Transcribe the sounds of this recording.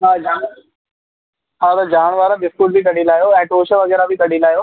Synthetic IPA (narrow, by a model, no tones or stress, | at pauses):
ɦaːd͡ʒaː | ɦaːt̪ɐd͡ʑaːɽ̃ʋaːɾãɖɪskuːʈ̚bʱikɐɽilaːjoɛ̃ːʈoːʃəʋɐɣɛːɾabʱikɐɽilaːjoː